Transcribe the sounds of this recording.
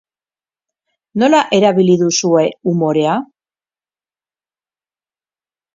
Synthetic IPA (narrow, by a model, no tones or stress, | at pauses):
no̞laʔe̞ɾaβiliðusue̞umo̞ɾe̞a